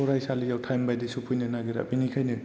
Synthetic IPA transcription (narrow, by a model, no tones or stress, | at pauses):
ɔɾajsalijawtʰajmbajdisupʰujnɯnaɡiɾa̰ʔbinikʰajnɯ